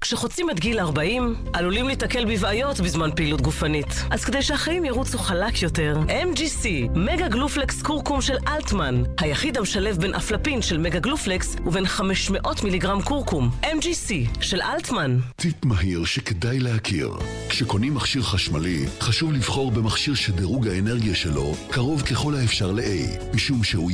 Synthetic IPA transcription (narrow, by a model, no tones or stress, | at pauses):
kʃeχot͡sime̞tɡilaʁbaʔim | ʔalulimlitake̞lbivajo̞tbizmanpeilut̚ɡufanitʔaz̥kede̞jʃehaχajimjaʁut͡suχalakʰjo̞te̞ʁʔemd͡ʒisimeɡaɡluflekskuʁkumʃe̞lʔaltmanhajaχidhameʃale̞fbe̞nʔa̰flapinʃe̞lmeɡaɡlufleksuve̞nχameʃmeʔo̞tmiliɡʁamkuʁkumʔemd͡ʒisiʃe̞lʔalt̪mant̪ipmaɦiʁʃekedajlehakʰḭʁ | kʃeko̞nimːaχʃiʁχaʃmaliχaʃuvlivχo̞ʁbemaχʃiʁʃedeʁuɡhaeneʁɡijaʃelo̞̰kaʁo̞vkeχo̞lhaefʃaʁleʔḛj | miʃumʃeu